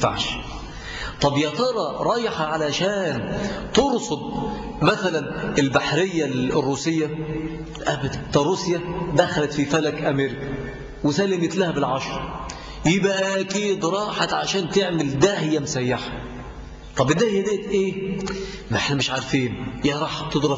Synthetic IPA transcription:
a̰ʕʃ | t̪ˤɑbjæt̪ɑɾˤɑɾˤɑːjħaʕalæʃæːnt̪oɾsob̪̚ | mæθælænɪlbaħɾɪjːalrːuːsɪjːæ | lʔæbæt̪t̪æɾˤusjæd̪æxælæt̪fifælækʔæmeɾɪkæ | wɪsælːɪmɪt̪læhæbɪlʕɑʃɾˤɑ | jɪbʔæʔæʔkiːd̪ɾˤɑːħat̪ʕaʃæːnt̪ɪʕmɪld̪æhɪjːæmʊsæjːaħḁ | t̪ˤɑbʔɪd̪æhɪjːæd̪æːt̪ʔeː | meħnæmɪʃʕaɾˤfiːnjæɾˤɑːħ̚t̪ed̪ˤɾɑ

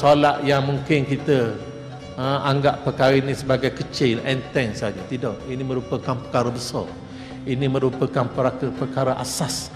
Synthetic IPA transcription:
solaʔjaŋmuŋkɪnkit̪ə | əmʔaŋɡaʔpəkaɾəinĩsəbaɡajkət͡ʃɪlɛnt̪ɛŋsad͡ʒət̪idɔʔinĩmə̃ɾupəkanpəkaɾəbəsɔ̰r | inĩmə̃ɾupəkanpəɾakəpərkaɾəʔa̰sas

